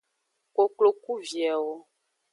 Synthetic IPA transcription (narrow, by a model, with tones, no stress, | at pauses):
ko˨klo˨ku˦vi˨ɛ˨wo˦